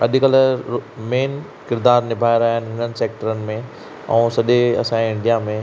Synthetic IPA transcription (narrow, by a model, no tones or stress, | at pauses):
ɐ̰ʄkɐl̤əmeːn | kɪɾd̪aːɾnɪbʱaːeɾaːɦaənɪ̆ɦɪnənɪ̆seːk̚ʈəɾənɪ̆mẽ | ɛ̰̃ːsɐʄeɐ̰sãẽɪ̃ɳɖijamẽ